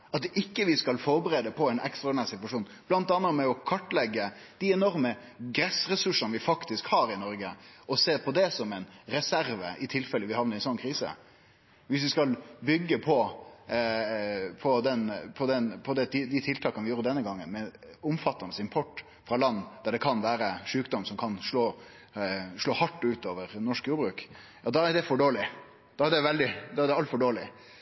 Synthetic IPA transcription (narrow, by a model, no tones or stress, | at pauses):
ɑt̪ɪkːəʋɪskɑlfɔɾbəɾeːd̪əpʰɔɛnɛ̰kst̪ɾɔɛnæːɾsɪt̪ʋɑʂuːnb̥lɑnt̪ɑnːəɾmɛɔkʰɑʈːlɛɡːə | d̪̥ɪɛnɔɾmə | ɡɾɛsɾɛsʉʂənʋɪfɑkt̪ɪskhɑːɾɪnɔɾɡəʔɔseːpʰɔd̪ɛsɔmɛɪnɾɛsæɾʋə̰ʔɪt̪ʰɪlfɛlːəʋɪhɑʋnəɾɪnsɔnkʰɾiːsə̰ | ʋɪs̬ʋɪskɑlbʏɡːəpʰɔ | pʰɔd̪ɛnpʰɔd̪ɛnpʰɔd̪ɛt̪d̪ɪt̪ʰɪlt̪ʰɑːkɑnʋɪjuːɾəd̪ɛnːəɡɑŋːənmɛʊmfɑt̪ːɑnəsɪmpʰɔʈː | fɾɑlɑnːd̪æɖɛkʰɑnʋæːɾəʂʉːkd̪ɔmsɔmkʰɑnʂɭoː | ʂɭoːhɑʈːʉːt̪oːʋəɾnɔʂkjuːɾbɾʉːkjɑːd̪ɑːæɖ̪ɛfɔɖoːlɪ | d̪̥ɑːæɖ̪ɛʋɛld̪ɪd̪ɑːæɖ̪ɛɑlt̪fɔɖoːlɪ̰